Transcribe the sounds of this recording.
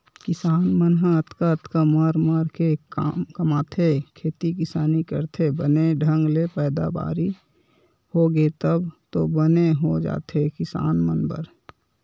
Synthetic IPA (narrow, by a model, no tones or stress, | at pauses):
kɪsaːnmənɦəət̪kaət̪kaməɾməɾkekamkəmaːt̪ʰekʰeːt̪ikɪsaːnikə̰ɾt̪ʰebəneɖʱə̃ŋɡlepɛːd̪a̰ba̰ːɾi | hoɡet̪əbt̪obəneɦod͡ʒa̰ːt̪ʰekɪsa̰ːnmənpə̰ɾ